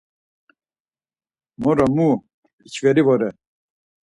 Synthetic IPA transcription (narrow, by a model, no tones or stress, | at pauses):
mɔɾɔmu | it͡ʃʰvɛɾivɔɾɛ